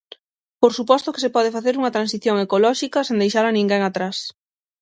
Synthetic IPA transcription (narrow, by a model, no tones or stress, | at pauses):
poɾsupɔst̪ʊke̥sepɔð̞efaθeɾuŋɐt̪ɾansiθjoŋekolɔʃikɐsẽnd̪ejʃaɾanĩŋɡeŋat̪ɾas